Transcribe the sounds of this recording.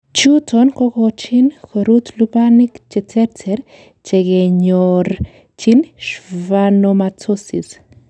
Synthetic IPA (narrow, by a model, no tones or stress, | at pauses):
t͡ʃutʰonkokot͡ʃinkoɾut̪lubanikt͡ʃɛt͡sɛɾt͡sʰɛɾ | t͡ʃeɡeɲoɾ | t͡ʃinʃvanomat͡sosḭs